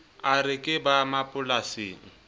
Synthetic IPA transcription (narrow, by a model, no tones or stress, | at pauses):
arɪkʼɪbamapʼʊlaseːŋ̩